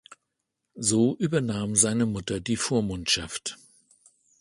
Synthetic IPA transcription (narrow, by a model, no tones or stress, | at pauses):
zoːʔyːbɐnaːmzaɪnəmʊtɐdiːfoːɐmʊntʃaft